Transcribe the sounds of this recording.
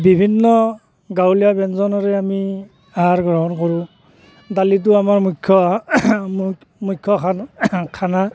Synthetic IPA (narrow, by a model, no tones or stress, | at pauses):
bibʱinːɔ | ɡawlijabɛnzɔnɔɹɛami | aɦaɹɡɹɔɦɔnkɔɹʊ̃ | dalit̬ʊamaɹmukʰjɔ | mukʰːjɔkʰakʰana